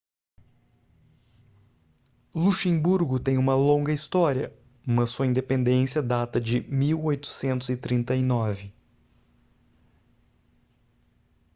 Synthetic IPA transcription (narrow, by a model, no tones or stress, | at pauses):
luʃẽbuɾɡʊt̪ẽj̃ũmɐlõɡɐist̪ɔɾiɐ | ũmɐssːuɐĩnd̪epẽnd̪ẽsiɐd̪at̪ɐd͡ʒɪmiwojt̪ʊ̥sẽnt̪ʊzɪt̪ɾĩnt̪ɐinɔvɪ